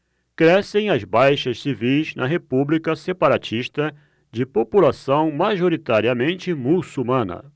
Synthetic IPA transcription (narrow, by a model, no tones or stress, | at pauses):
kɾɛsẽj̃ɐzbajʃɐssivijznɐɦepublikɐsepaɾat͡ʃiʃt̪ɐ | d͡ʒɪpopulasɐ̃w̃maʒoɾit̪aɾiɐmẽnt͡ʃɪmusumɐ̃nɐ̰